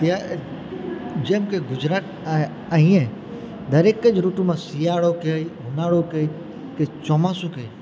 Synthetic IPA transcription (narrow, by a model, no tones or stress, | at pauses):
t̪a | d͡ʒemkeɡʊd͡ʒɾaːt̪ | aɦĩẽ | d̪ɐɾeːkəd͡ʒɾuʈũmãsijaːɽokeɦʊnaːɽoke | ket͡ʃɔmaːsuke